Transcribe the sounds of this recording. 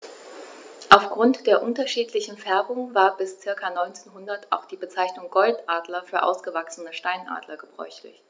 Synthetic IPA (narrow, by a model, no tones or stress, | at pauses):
ʔaʊfɡ̥ʁʊntd̥eːɐʔʊntɐʃiːtlɪçn̩fɛɐbʊŋvaːɐbɪst͡sɪɐkanɔʏnt͡seːnɦʊndɐta̰ʊxd̥iːbət͡saɪçnʊŋɡɔltʔaːdlɐfyːɐʔa̰ʊsɡ̥əvaksn̩əʃtaɪnʔa̰ːdlɐɡəbʁɔ̰ʏçlɪ̰ç